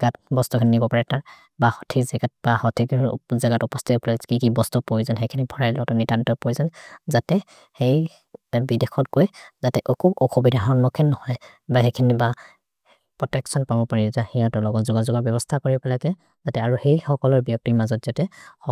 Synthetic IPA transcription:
ɡat̚bɔstukʰininibɔpaɹɛtaɹ | bahɔtʰikzɛɡat̚bahɔtʰikzaɡatupɔstʰiplɔkikibɔstupojzanɦejkʰinibʱɔɹajlɔɡɔtɔnitantɔpojzanzatɛ | hej | bidexʰɔtkojzatɛʔokuɔxʰubidaɦaɔnːɔkʰinːɔhɔj | baxekʰiniba | pɹɔtɛksɔnpabɔpaɹitahijatɔlɔɡɔzuɡazuɡɔɹbɛbɔstʰakoɹipɛlakɛ | zatɛaɹuxejxɔkɔlɔɹbijɔk̚tiɹmazɔtz̥atɛɔ

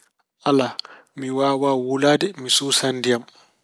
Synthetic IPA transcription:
ʔala | miwaːwawulaːdɛmisusandijam

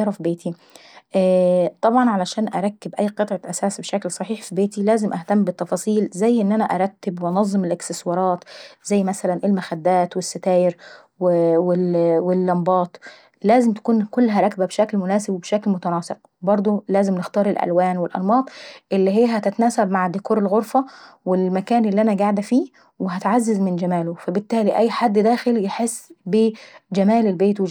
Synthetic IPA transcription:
ɾˤɑfibeːt̪ʰi | ʔt̪ˤɑbʕɑnʕalæʃæːnʔaɾˤɑkːɪbʔæjːqɨt̪ˤʕɑʔæsæːsbeʃæklsˤɑħiːħfibeːt̪ilæːzɪmʔaht̪æmːbɪt̪ːɑfɑːsˤiːlzæjːʔɪnːʔænæʔaɾˤɑt̪ːɪbwʔɑnɑzˤːɨmɪlʔɪksɪswɑɾˤɑːt̪zæjːmæsælænʔɪlmaxæd̪ːæːt̪wɪsːat̪æːjɪɾ | wwɪwɪlːɑmbɑːt̪ˤ | læːzɪmt̪æ̥kuːnkolːɦæɾˤɑkbæbeʃæklmʊnæːsebwebeʃæklmot̪ænɑːseq̚ | bɑɾˤd̪ˤolæːzɪmnext̪ɑːɾˤelʔæ̰lwæːnwelʔɑ̰lmɑːt̪ˤʔelːiɦejːæhæt̪ɪt̪ænæːsæbmaʕd̪ikuːɾelɣoɾfɑwelmækæːnʔelːiʔænæɡaʕd̪æfiː | weɦæt̪ʕazːɪzmɪnd͡ʒæmæːlofæbɪt̪ːæːliʔæjːħad̪ːd̪æːxeljeħesːbed͡ʒæmæːlelbeːt̪we

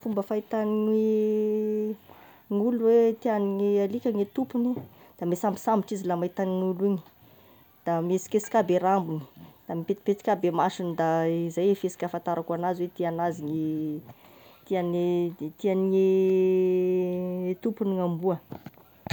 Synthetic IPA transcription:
fumbəfait̪aniŋe | ŋuluwet̪ianiŋialikʲaŋet̪upuni | d̪̥amesambi̥samiʈ͡ʂizilamait̪aniŋuliɲi̥ | d̪̥amesi̥kʲesi̥kʲabeɾambuni̥d̪̥amipet̪i̥pet͡s̪i̥kʲabemasinid̪aizajefesi̥kʲafant̪aɾakuanaziwet̪ianaziŋe | t̪iant̪ianiŋe | t̪upuniŋambuə

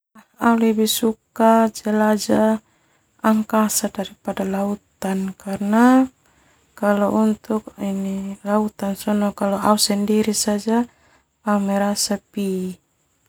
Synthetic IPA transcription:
aulɛbɛsukad͡ʒalad͡ʒaː | ŋkasadaɾipadalaut̪ankarna | kalɔʔunt̪uk̚inilaut̪ansɔnɔkalɔʔausɛndiɾisad͡ʒa | aumɛɾasapi

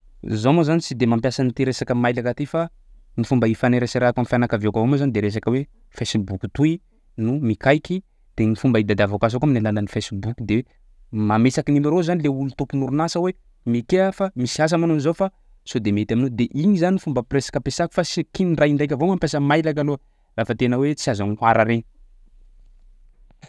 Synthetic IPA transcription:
zomozanit͡sid̪emampjasanit̪eɾesakəmajlakat̪efa | nifumbəifanaɾesaɾakamfianakavekavomozanid̪eɾes̬akəwe | fesibuku̥t̪ui | numikajki | t̪eɲifumbəid̪ad̪avokazokaminalanənifesibukʲud̪e | mamesakinimaɾozanileulut̪upunuɾunasəwe | mekeəfamisias̬amanonizawfa | sod̪emet̪aminod̪eʔiɲizaninifumbəpresḁkəpesaku̥fasikiniraindajkʲavomampesəmajlakano | rafət̪enəwet͡siazanaɾaɾeɲ

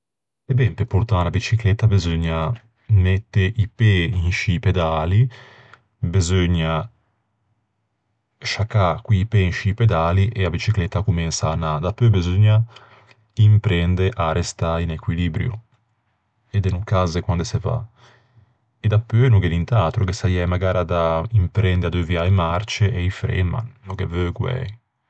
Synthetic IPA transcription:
ebɛmpepːuɾt̪aːnabit͡ʃiklɛt̪ːabezøɲːa | nɛt̪ːeʔipeinʃiped̪aːli | bezøɲːa | ʃakːakwiːpɛinʃiːped̪aːliʔeabit͡ʃiklɛt̪ːakuminsaːnːad̪apːøbezoɲːa | impɾɛnd̪eʔaɾest̪ainekwiliːbɾjṵ | ed̪ɛnukazekwand̪eseva̰ | ed̪apːønuɡelint̪aːt̪ɾokesajɛjmaɡaːɾad̪aimpɾɛnd̪ead̪uviaemart͡ʃeʔeifɾɛ̰ma̰nːukevøɡwɛ̰j

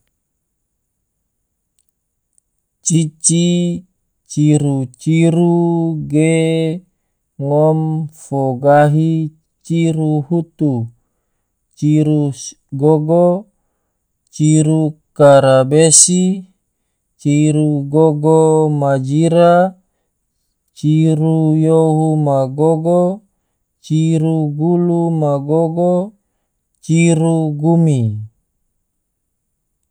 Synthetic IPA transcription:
t͡ʃit͡ʃi | t͡ʃiɾut͡ʃiɾuɡe | ŋɔmfoɡaɦi | t͡ʃiɾuhut̪u | t͡ʃiɾu | ɡoɡo | t͡ʃiɾukaɾabesi | t͡ʃiɾuɡoɡomad͡ʒiɾa | t͡ʃiɾujoɦumaɡoɡo | t͡ʃiɾuɡulumaɡoɡo | t͡ʃiɾuɡumi

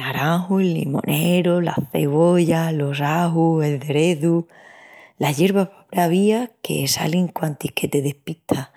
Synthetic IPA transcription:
naɾaŋɦuelːḭmõ̰nʔeɾola̰θe̞βo̞ʝalo̞raɦue̞lðe̞ɾe̞ðu | laʝe̞ɾβapapɾaβiakʰe̞̰sa̰liŋkwant̪ikʰe̞t̪e̞ðe̞hpit̪ʰa

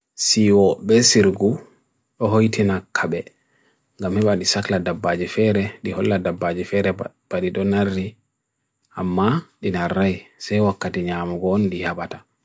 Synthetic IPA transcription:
siwɔbɛsiɾɡu | ɗɔɦojtʰinakʰːaɓɛ | ŋɡamhɛɓaɗisakladabːad͡ʒifɛɾɛɗihɔlːadabːad͡ʒifɛɾɛ | b̥aɗiɗɔnarːi | ʔamːaɗinaɾːajsajwakːatiɲamuɡɔːndihabatḁ

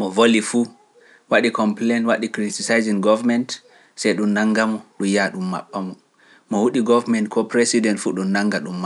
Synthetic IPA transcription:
mɔvolifu | waɗikɔmplenwaɗikɾitisajziŋɡɔvamɛnt | sɛjɗumnaŋɡamɔɗumjaɗumːa̰ɓːamɔ | mɔwuɗiɡɔvamɛntkʰɔpɾɛsidɛntfṵɗunnaŋɡaɗumːa

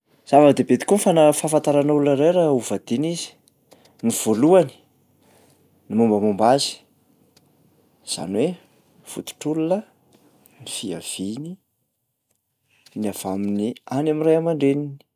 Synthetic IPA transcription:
z̥avakd̪ebet̪i̥kunfanəfafant̪aɾanaululaɾejɾauvad̪̥inizi̥ | niv̥oluani̥ | nimumbəmumbazi̥ | z̥a̰nwe | fṵt̪u̥ʈ͡ʂululə | nifia̰v̥ini | niav̥aminianamirajamaɳɖ͡ʐenini̥

